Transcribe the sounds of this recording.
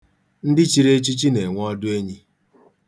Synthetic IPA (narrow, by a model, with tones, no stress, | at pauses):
n̩˦dɪ˦t͡ʃi˦ɾe˦t͡ʃi˦t͡ʃi˦ne˨ŋʷ˦ɔ˦dʊ˦e˦ɲi˦